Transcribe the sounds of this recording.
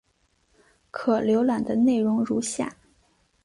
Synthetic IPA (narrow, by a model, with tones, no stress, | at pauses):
kʰɤ˨˩ljo˧˥ʊla˨˩nd̪ə˦ne˥˩ɪɻʊ˧˥ŋɻu˧˥ɕja̰˥˩